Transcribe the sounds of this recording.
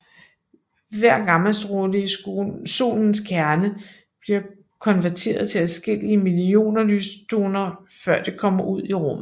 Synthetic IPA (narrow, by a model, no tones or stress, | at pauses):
ʋæɐ̰ɡ̥ɑ̈ml̩sd̥ʁodəiso̝̰ːln̩skʰæɐnə | b̥liɐ | kʰɒ̽nʋæɐt͡sʰe̝̰ːɐðˠt͡sʰe̝læðsɡ̥el̰iəmilio̝̰ːnɐlyːst͡sʰo̝ːnɐ | fɶɐ̰d̥e̝kʰɒ̽m̰ɐʔuð̰ˠiʁɔ̽m̰ð̩ˠ